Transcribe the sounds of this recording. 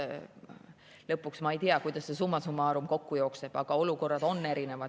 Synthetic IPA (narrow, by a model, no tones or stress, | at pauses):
lɤpːˑuksmɑejt̪iɑkujd̪̥ɑsːe̞sumːɑsumːɑɑːɾumko̞kːujo̞ːkse̞b̥ɑɡ̥ɑo̞luko̞rːɑd̪̥o̞nːe̞ɾine̞vɑd̪